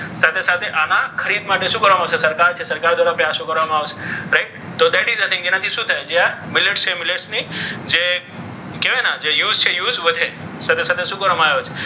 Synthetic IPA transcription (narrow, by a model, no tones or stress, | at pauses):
sat̪ʰesat̪ʰeʔanakʰəɾiːd̪maʈesũːkəɾamaːʋsesɐɾkaːɾt͡ʃʰesɐɾkaːɾd̪ʋaːɾapejasũkəɾəmaʋsɾaɪʈ̚ | t̪ːod̪ɛʈizat̪ʰĩŋɡd͡ʒinãt̪ʰisũːt̪ʰajd͡ʒejamɪleʈsʰemɪleʈsnid͡ʒe | keʋẽnad͡ʒejuːzt͡ʃʰejuːzʋəd̪ʱe | sat̪ʰesat̪ʰesuːkəɾəmajot͡ʃʰe